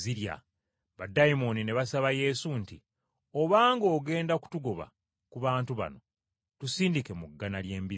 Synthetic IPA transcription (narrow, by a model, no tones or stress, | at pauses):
ziɾja̰ | βadajimo̞nine̞βasaβaje̞sunti | oβaːŋɡo̞ːɡe̞ːndaku̥tuɡo̞βa̰ | kuβaːntuβa̰no̞ | tusiːndike̞muɡːanalje̞ːmbi